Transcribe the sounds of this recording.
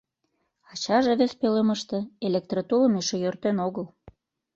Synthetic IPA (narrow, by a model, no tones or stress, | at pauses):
ɑt͡ɕɑʒeβespøleməʃt̪ĕelek̚t̪rot̪ulə̆meʃejørt̪enoɣəl